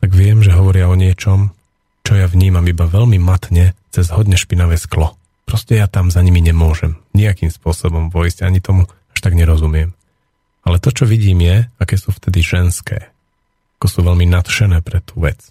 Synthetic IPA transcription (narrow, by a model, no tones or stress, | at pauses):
t̪aɡʋɪɛmʒɛɦɔʋɔɾɪaɔɲɪɛt͡ʃɔm | t͡ʃɔjaʋɲiːmamibaʋɛʎmimat̪ɲɛt͡sɛzɦɔd̪ɲɛʃpinaʋɛːsklɔ | pɾɔscɛjat̪amzaɲimiɲɛmʊɔʒɛmɲiakiːmspʊɔsɔbɔmpɔizɟaɲit̪ɔmu | aʃt̪aɡɲɛɾɔzumɪɛm | alɛt̪ɔt͡ʃɔʋiɟiːmjɛakɛsuːft̪ɛd̪iʒɛnskɛ̰ː | ḁkɔsuːʋɛlminat̪ʃɛnɛːpɾɛt̪uːʋɛt͡s